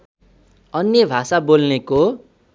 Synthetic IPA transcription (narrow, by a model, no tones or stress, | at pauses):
ʌnjebʱasabolneko